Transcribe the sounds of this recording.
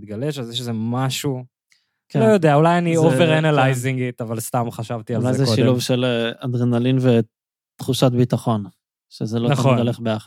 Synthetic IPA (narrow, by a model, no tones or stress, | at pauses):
t̪̚ɡale̞ʃazjɛʃzemaʃu | kelojod̪eaulajanioveʁanalajziŋɡit̪avalst̪amχaʃavt̪ialjzeʃiluvʃelead̪ʁenalinve | t̪χuʃat̪bit̪aχo̞n | ʃezelonaoaleχbejaχa